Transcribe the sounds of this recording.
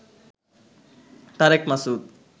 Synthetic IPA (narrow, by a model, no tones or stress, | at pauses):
t̪aɾekmasud̪̚